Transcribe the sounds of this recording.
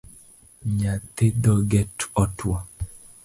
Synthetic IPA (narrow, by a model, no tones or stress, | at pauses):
ɲat̪ed̪ɔɡɛtɔtʰwa